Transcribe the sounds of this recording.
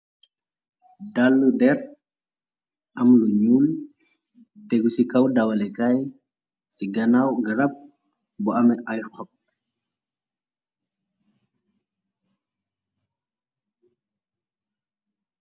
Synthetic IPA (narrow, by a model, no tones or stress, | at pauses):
dalːudɛr | amluɲul | t̪eɡusikawdawalekaj | siɡanawɡəɾap̚ | bɔamɛʔajxɔp̚